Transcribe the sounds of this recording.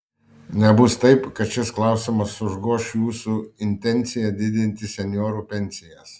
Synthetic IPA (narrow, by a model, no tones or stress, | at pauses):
nʲɛbʊst̪ɐɪpkɐt̪ʃʲɪsklˠɐˑʊsʲɪmɐsʊʒɡuɔʃjuːsuɪnʲt̪ʲɛnʲt̪sʲɪjɛd̪ʲɪd̪ʲɪnʲt̪ʲɪsʲɛnʲjoːɾuːpʲɛnʲsʲɪjɛs